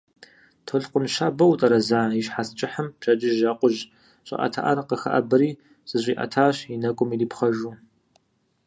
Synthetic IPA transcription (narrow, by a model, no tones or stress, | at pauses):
tʰoɮqʷənʃaːbɐwtʼɐɾɐzaːiɕħast͡ʃʼɪħəmpɕɐt͡ʃʼɪʒʒaːqʷʊʒ | ɕʼɪ̰ʔɐ̰tʰa̰ʔɐrqəxɐ̰ʔɐbɨɾiː | z̥ɨɕʷʼiːʔɐ̰tʰaːɕinɐkʷʼʊmiliːpχɐʒuː